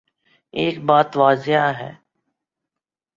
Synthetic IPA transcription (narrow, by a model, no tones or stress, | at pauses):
eːk̚baːt̪ʋaːzɪɦaɦɛ̰ː